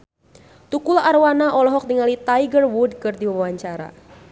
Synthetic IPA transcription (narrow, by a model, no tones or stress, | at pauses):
t̪ukulaʔarwanaʔɔlɔɦɔk̚diŋalit̪ajɡərwud̚kɨrdiwawaɲt͡ʃaɾa̰